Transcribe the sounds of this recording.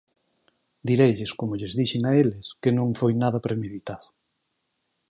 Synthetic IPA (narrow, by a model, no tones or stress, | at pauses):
d̪iɾejʎɪskomʊʎɪzðiʃɪŋaelɪskɪnõŋfojnaðɐpɾemeðit̪aðʊ